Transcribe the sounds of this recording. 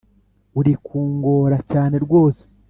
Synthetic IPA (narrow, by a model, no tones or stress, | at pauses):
uɾikʰuːŋɡo̞ːɾacaːne̞ɾɡwo̞ːse̥